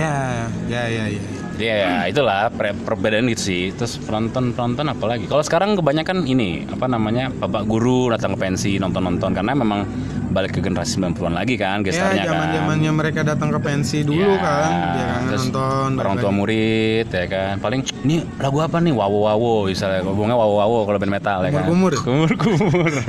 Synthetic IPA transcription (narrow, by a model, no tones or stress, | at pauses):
jajajaja | jajait̪ulahpepərbedɛnanɡit̪usɪht̪ɾʊspənɔnt̪ɔnpənɔnt̪ɔnapalaɡikalosə̥kaɾaŋkəbaɲakaninia̰panamaɲabapaʔɡuɾudat̪aŋkəpɛnsinɔnt̪ɔnːɔnt̪ɔnkaənamemaŋ | balɪkːəɡənəɾasɪ̥mblampəluanlaɡikanɡajaɲad͡ʒakamad͡ʒananɲaməɾekadat̪aŋkəpɛnsidujlukaatŋɾʊnst̪ɔnəɾɔŋt̪uamuɾɪt̪jakanpalɪŋ | ni | laɡuapaniwawowawoisalbuŋɲawawowawokalobɛnmet̪aljanumʊɾkumʊrkumʊr